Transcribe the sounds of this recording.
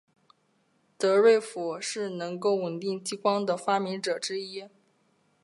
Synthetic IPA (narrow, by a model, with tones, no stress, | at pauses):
t̪ɤ˧˥ɻwe˥˩ɪfu˨˩ʂɻ̩˥˩nɤ˧˥ŋko˥˩ʊwə˨˩nt̪i˥˩ŋt͡ɕi˥kwɑ˥ŋd̪ə˨fa˥mi˧˥ŋʈ͡ʂɤ˨˩ʈ͡ʂɻ̩˥i˥